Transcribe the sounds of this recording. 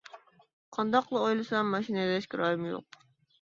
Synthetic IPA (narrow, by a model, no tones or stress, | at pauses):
qʰɑnd̪ɑqlˠɨojlˠɨsɑmːɑʃinɨd̪ɛʃkʲɪɾɑːjɪmjo̰q̚